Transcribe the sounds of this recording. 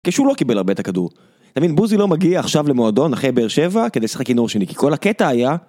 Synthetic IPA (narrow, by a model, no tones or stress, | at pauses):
keʃulo̞kibe̞laʁbet̪akad̪ṵʁ | t̪avinbuzilo̞maɡiaːχʃavle̞moad̪o̞naχejbeeʁʃe̞vaked̪ejsḁχekinoʁʃeniki̥ko̞laket̪aːja